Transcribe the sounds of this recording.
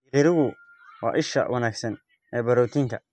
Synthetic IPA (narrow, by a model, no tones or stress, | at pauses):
ɾɪɾɪɣʊ | wɑ̰ːʔɪʃɐ̰wʔɐnaːɡsɐn | ɛːbɐɾɔːt̪ʰiŋk̪ʰɐ